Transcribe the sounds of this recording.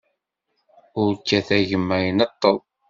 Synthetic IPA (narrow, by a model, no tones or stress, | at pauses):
ʊɾkːæθæʝəmːæjənɑt̪ˤːəlˤ